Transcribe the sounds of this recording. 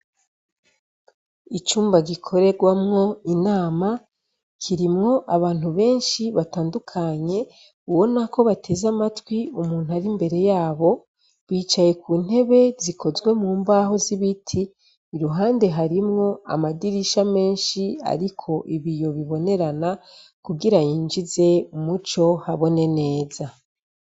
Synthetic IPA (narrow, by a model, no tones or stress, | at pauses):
it͡ʃuːmbaɡikʰo̞ɾe̞ɡwamŋo̞inaːma | kʰiɾimŋo̞ʔaβaːn̥huβe̞ːnʃiβataːndukʰaɲe̞ | uwo̞nako̞βatʰe̞zamatwiumuːn̥huaɾimbe̞ɾe̞jaːβo̞ | βiːt͡ʃaje̞kuːn̥he̞βe̞zikʰo̞zwe̞muːmbaːɦo̞ziβitʰiː | ɾuɦaːnde̞ɦaɾimŋo̞a̰madiɾiʃame̞ːnʃia̰ɾikʰo̞ʔiβijo̞βiβo̞ne̞ɾana | kuɡiɾajiːnd͡ʒize̞umut͡ʃo̞haβo̞ne̞ne̞ːza